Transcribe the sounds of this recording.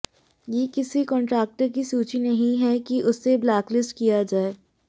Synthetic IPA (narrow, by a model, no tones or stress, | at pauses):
jekɪsikɔ̃ːɳʈɾɛːk̚ʈəɾkisuːt͡ʃinɐɦĩɦɛkiʔʊsːeblaːklɪsʈkijad͡ʒaːeː